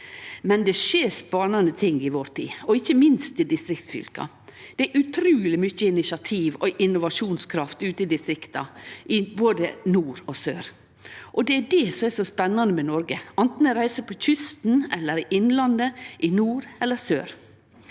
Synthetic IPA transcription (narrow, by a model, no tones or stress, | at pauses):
mɛnd̪ɛʂeːɾspɑnɑnət̪ʰɪŋɪʋoːɾt̪ʰḭːɔɪçːəmɪnst̪ɪd̪ɪst̪ɾɪk̚t̪sfʏ̰lkɑ̰ | d̪̥ɛæʔʉt̪ʰɾʉːlɪmʏçːəɪnɪsɑt̪ʰiːʋɔʔɪnʊʋɑʂuːnskʰɾɑft̪ʉːt̪ɪd̪ɪst̪ɾɪkt̪ɑ̰ʔɪboːd̪ənuːɾɔsøːɾ | ʔɔd̪ɛæɖɛsɔmɛsɔspɛnːɑnəmɛnɔɾɡəʔɑnt̪n̩ɔɾæɪsəpʰɔc͡çʏst̪n̩ɛlːəɾɪʔɪnlɑnd̪əʔɪnuːɾɛlːəsø̰ːɾ